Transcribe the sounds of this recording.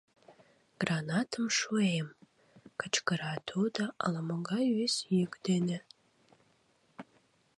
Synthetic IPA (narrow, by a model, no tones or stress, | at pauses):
ɡ̥ranɑt̪ʰəmʃuem | kət͡ʃkəɾɑt̪ʰod̪ɑə̰ləmoɡɑjisjykd̪ene